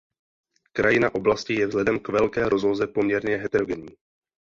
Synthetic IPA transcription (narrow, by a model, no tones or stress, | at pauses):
kɾajɪnaʔo̞blascɪjɛvzlɛdɛmkvɛlkɛːɾʔo̞zlozɛpo̞mɲɛɾɲɛɦɛt̪ɛɾo̞ɡɛɲiː